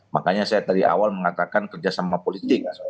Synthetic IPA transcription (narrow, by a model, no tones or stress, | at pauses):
makaɲasajat̪adiʔa̰walməŋat̪akankərd͡ʒasamapolit̪ɪk̚